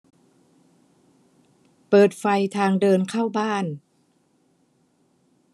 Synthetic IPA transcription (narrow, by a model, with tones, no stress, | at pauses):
pɤː˨˩t̪̚fa˧jt̪ʰaː˧ŋdɤː˧nkʰaː˥˩wbaː˥˩n